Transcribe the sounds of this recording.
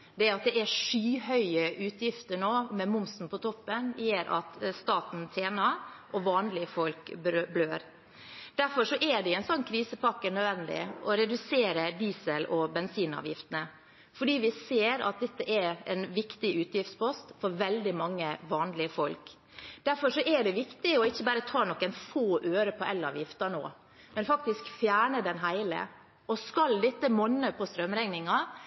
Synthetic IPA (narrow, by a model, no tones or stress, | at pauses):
d̪ɛæɾɑt̪̚d̪ɛʔæʂyːhœʏəʔʉːt̪ʰjɪft̪əɳoːmɛmʊmsn̩pʰɔt̪ʰɔpːənjeːɾʔɑ̰t̪st̪ɑːt̪n̩t̪ʰeːnɑʔɔʋɑːnlɪəfɔlkbɾøbløːɾ | d̪̥æɾfɔʂɔʔɛɖɛɛɪnsɔnːkʰɾiːsəpɑkːənœd̪ʋɛnd̪ɪ̰ʔɔɾɛd̪ʉseːɾəd̪iːsəlʔɔbɛnsiːnɑ̰ːʋjɪft̪ənə | fɔɖiːʋɪseːɾɑ̰t̪̚d̪ɛt̪ːəʔɛɛ̰nʋɪkt̪ɪʔʉːt̪jɪft̪spɔst̪fɔɾʋɛld̪ɪmɑŋːəʋɑːnlɪəfɔlk | d̪̥æɾfɔʂɔʔɛɖɛʋɪkt̪ɪɔɪçːəbæːɾət̪ʰɑːnɔkːənfoːʔøːɾəpʰɔʔɛlːɑ̰ːʋjɪft̪ɑno̰ː | mɛnfɑk̚t̪ɪskfjæːɳəd̪ɛnɦæɪlə̰ | ɔskɑld̪ɛt̪ːəmɔnːəpʰɔst̪ɾœmɾɛŋnɪŋɑ